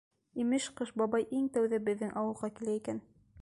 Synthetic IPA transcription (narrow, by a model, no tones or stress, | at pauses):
imɘʃqɤʃbɑβɑjʔiŋt̪æwðɘbɘ̆ðːɘŋʔɑwɤ̆lˠʁɑkilæikæn